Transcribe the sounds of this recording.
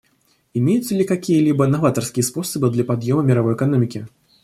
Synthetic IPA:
imʲejut̪sɐlʲikakʲijɐlʲibɐnːavat̪ɐrskʲijɛspɔsɐbɨd̪lʲɐpad̪jɔmɐmʲiɾavɔjɛkanɔmʲikʲi

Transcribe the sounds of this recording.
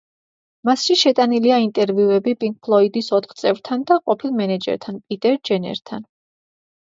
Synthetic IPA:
masʃiʃɛt̪ʼaniliaint̪ʼɛɾviuɛbipʼiŋk̚ʰpʰlˠɔid̪isɔt̪ʰχt̪sʼɛvɾt̪ʰand̪aqʼɔpʰilˠmɛnɛd͡ʒɛ̰ɾt̪ʰanpʼit̪ʼɛɾd͡ʒɛnɛ̰ɾt̪ʰa̰n

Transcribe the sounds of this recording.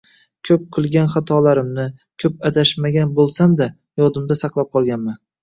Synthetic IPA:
kʲʰɵp̚qʰɨlˠɡʲanχat̪ʰɒlaɾɪmnɪ | kʲʰɵpad̪aʃmaɡʲanbolˠsamd̪a | jɒd̪ɪmd̪asɑqlˠap̚qʰɒlˠɡʲanman

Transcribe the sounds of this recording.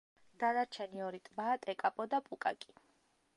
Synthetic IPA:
d̪̥anaɾt͡ʃʰɛniɔɾit̪ʼbaːt̪ʼɛkʼapʼɔd̪apʼukʼa̰kʼi

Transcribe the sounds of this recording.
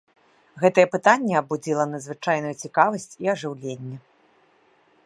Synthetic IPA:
ɣɛt̪ɐjɛpɨt̪anʲːɛɐbud͡zʲilˠɐnɐd̪zvɨt͡ʂajn̪ujut͡sʲikavɐsʲt͡sʲiɐʐɨwlʲenʲːɛ

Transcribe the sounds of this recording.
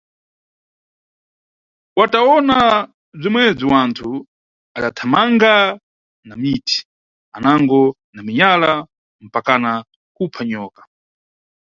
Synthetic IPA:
wataɔna | b͡ʐimwɛb͡ʐiwantʰu | aɗatʰamaŋɡa | namitʰi̥ | anaŋɡɔ | namiɲala | m̩pakana | kupʰaɲɔːkḁ

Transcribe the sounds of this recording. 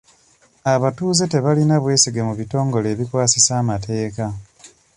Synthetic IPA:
aβatuːze̞te̞βalinaβwe̞ːsiɡemuβito̞ːŋɡo̞le̞ːβikwaːsisaːmate̞ːka

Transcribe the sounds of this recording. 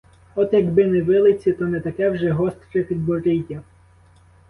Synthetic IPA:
ɔt̪jɐɡbɪnɛʋɪlˠɪt͡sʲit̪ɔnɛt̪ɐkɛwʒɛɦɔst̪ɾɪpʲid̪bɔɾɪtʲːɐ

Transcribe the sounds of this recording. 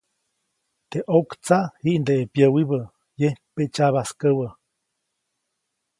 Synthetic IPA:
t̪eʔokt͡saʔhiʔnd̪eːpjəwiβə | jehpet͡ʃaβaskəwə

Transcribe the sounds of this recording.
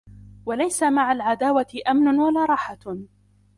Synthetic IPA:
walajsamaʕalʕad̪aːwaɪʔamnʊnwalaːɾˤɑːħa

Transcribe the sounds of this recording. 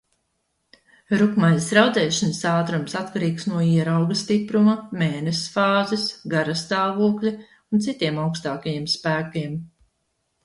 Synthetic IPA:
ɾukmajsɾawd̪zɛːʃanəsaːt̪ɾumsat̪kaɾiːksnuɔiɛɾawɡɐst̪ipɾumɐmeːnɛsfaːzɛsɡaɾɐst̪aːvuɔklʲi | unt̪sit̪iɛmawkst̪aːkajiɛmspæːkiɛm

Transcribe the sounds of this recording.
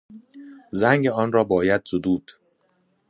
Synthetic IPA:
zæŋɟeɒːnrɒːbɒːjæd̪̥sod̪uːd̪̥

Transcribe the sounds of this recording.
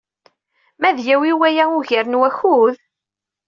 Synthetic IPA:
mæðjæwiwæjæʊʝəɾnwæçuð

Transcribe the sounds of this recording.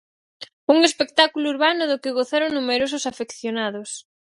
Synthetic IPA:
uŋespek̚t̪akulʊuɾβanʊðʊkɪɣoθeɾoŋnumeɾos̬ʊsafekθjonaðʊs

